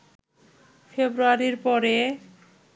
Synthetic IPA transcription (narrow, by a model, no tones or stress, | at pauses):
fʰebɾuaɾiɾpɔɾe